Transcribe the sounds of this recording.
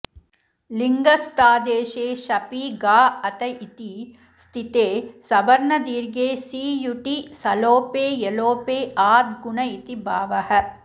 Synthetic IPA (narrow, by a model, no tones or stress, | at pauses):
liŋɡɐst̪aːd̪eːʃeːʃɐpiɡaːɐt̪ɐʔit̪i | st̪ʰit̪eːsɐbɐɾɳɐd̪iːɾɡeːsiːjuʈisɐloːpeːjeloːpeːʔaːd̪ɡuɳɐit̪ibʱaːʋɐhɐ̆